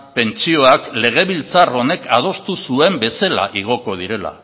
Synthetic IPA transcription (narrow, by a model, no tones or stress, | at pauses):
pe̞nt͡ʃio̞akle̞ɣ̞e̞β̞ilt͡saro̞ne̞kʰað̞o̞st̪usue̞mbe̞sela̰ʔiɣ̞o̞ko̞ð̞iɾe̞la̰